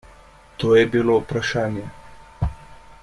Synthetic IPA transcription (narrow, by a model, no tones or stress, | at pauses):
t̪oːjɛbʲilopɾɐʃaːnʲjɛ